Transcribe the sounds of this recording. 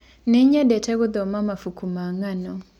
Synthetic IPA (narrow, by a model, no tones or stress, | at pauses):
niɲedeteɣuðomamafukumaːŋano